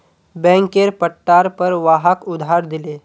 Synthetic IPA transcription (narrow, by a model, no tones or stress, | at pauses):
bɛ̃ŋkeɾpəʈːaɾpəɾʋaɦakud̪ʱaɾd̪ile